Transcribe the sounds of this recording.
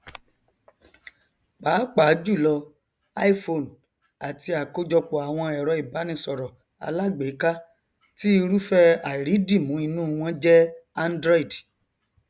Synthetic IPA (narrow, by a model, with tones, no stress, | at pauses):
baː˨˦k͡pa˨˦d͡ʒu˦˨lɔ˧ | a̰˦i˦fo˧˨n˨ | a˨ti˧a˨ko˧d͡ʒɔ˧k͡pɔ˨a˨w̃ɔ̃˧ɛ˨ɾɔ˨˧i˨ba˨˦nĩ˧sɔ˨ɾɔ˨ | a̰˧la˦ɡ͡be˨˦ka˦ | ti˦i˧ɾu˦fɛ˦a˨ɾi˨˦di˦˨mũ˨˦i˧nũ˦˧w̃ɔ̃˦d͡ʒɛ˦a˦ndɾɔ˦i˨d